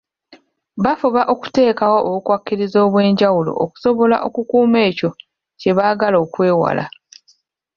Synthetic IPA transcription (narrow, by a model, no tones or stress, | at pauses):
βafuβaʔo̞ku̥te̞ːkawo̞ʔoβukwakːiɾizo̞ːβwe̞ːɲɟawulo̞̰ʔoku̥so̞βo̞la̰ʔo̞kukuːme̞ːco̞ | ce̞βaːɡalo̞ːkwe̞ːwa̰la̰